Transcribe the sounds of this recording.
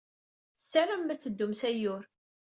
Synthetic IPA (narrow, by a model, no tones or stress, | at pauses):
θsːæɾæmːæt͡sːəd̪ːʊmsæjʊɾ